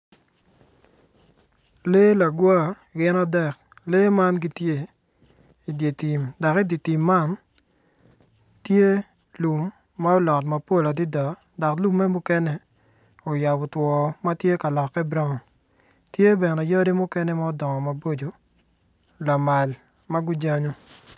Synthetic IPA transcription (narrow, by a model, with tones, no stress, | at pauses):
le˦la˨ɡwa˦˨ | ɡɪ˦na˦dɛ˦k | le˦ma˦nɡi˦tje˦ | i˨dje˨ti˨mdɔ˨ki˦di˨ti˨mːa˦n | tje˦ | lu˨mː | a˦ɔ˦lɔ˨tma˨po˦la˨di˦dɔ˨ | dɔ˨klu˦mːɛ˦mu˦kɛ˦nɛ˦ | o˨ja˨bɔ˨twɔ˨ma˦tje˦ka˨lɔ˨kːɛ˦bɾɔ˦ŋɔ˨ | tje˦bɛ˨nɛ˨jo˦di˦mʊ˦kɛ˦nɛ˦ma˦ɔ˦dɔ˨ŋɔ˨ma˨bo˦d͡ʒo˨ | la˨ma˨l | ma˦ɡu˦d͡ʒa˦ɲo˦